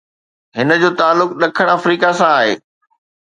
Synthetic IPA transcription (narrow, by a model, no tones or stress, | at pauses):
ɦɪnə̆d͡ʑoːt̪aːlːʊk̚ɗɐkʰəɽ̃ɐfɾiːkasãaːɦḛː